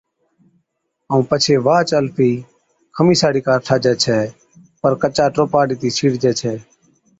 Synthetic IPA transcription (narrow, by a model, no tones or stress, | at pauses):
əũːpət͡ʃʰeːʋaːt͡ʃəlpʰiː | kʰəmiːsaːɽiːkaːɾʈʰaːd͡ʒɛːt͡ʃʰɛː | pəɾkət͡ʃaːʈɾoːpaːɽiːt̪iːsʰiːɽd͡ʒɛːt͡ʃʰɛː